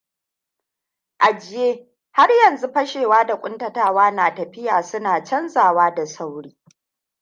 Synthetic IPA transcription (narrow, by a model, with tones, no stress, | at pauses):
ʔa˨d͡ʒɪ˦jeː˦ | ha˦rjɐ˨nzu˦ɸɐ˦ʃeː˨waː˦da˨kʷʼʊ˦ntɐ˨taː˦waː˦naː˨tɐ˨ɸɪ˦jaː˨sʊ˦naː˨t͡ʃɐ˦nzaː˨waː˦da˨sa˦wɽiː˦